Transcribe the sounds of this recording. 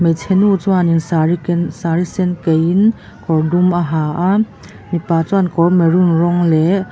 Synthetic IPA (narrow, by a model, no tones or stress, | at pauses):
mejtʰenut͡sɔaniŋsɾsaɾisenkejin | kɔɾdumaɦaʔa | mipat͡sɔankɔɾmeɾunɾɔŋle